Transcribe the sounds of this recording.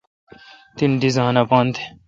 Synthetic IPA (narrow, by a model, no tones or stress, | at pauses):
t̪ind̪izaːnapãːnt̪ʰe̥